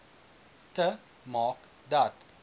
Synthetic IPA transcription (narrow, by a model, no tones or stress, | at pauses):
tə | mɑːk | dɐt